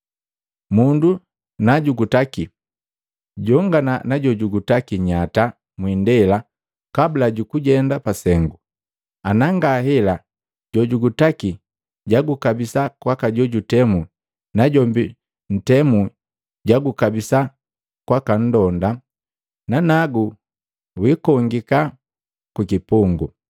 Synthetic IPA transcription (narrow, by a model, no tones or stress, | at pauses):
mundu | naɟuɡutaki | ɟɔŋɡananaɟɔɟuɡutakiɲata | mwindɛla | kabulaɟukuɟɛndapasɛŋɡu | anaŋɡahɛla | ɟɔɟuɡutaki | ɟaɡukabisakwakaɟɔɟutɛmu | naɟɔmbi | n̩tɛmu | ɟaɡukabisa | kwakan̩dɔnda | nanaɡu | wikɔŋɡika | kukipuŋɡu